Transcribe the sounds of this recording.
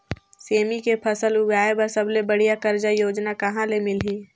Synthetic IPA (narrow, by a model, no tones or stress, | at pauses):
seːmikepʰəsəlʊɡaːebəɾsəblebəɽ̤ijakəɾd͡ʒajoːd͡ʒnakɐɦãlemɪliː